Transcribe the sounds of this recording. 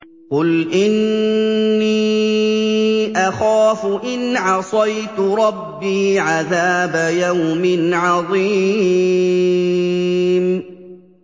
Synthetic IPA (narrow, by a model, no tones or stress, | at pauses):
qʊlʔɪnː | iː | ʔaxaːfʊʔɪnʕɑsˤɑjt̪ʊɾˤɑbːiːʕaðaːbajawmɪnʕɑðˤiː | m